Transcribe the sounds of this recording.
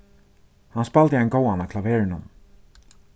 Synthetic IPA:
hanspalt̪ɪajnɡoːwanakʰlavɛːɹɪnhʊ̰n

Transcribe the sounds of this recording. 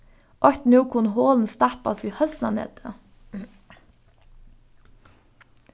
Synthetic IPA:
ʔɔçt̪n̩uːkʰʊnɦoːln̩st̪ɑpɑsiːhœst̪n̩ɑ̰nḛːt̪ʰə

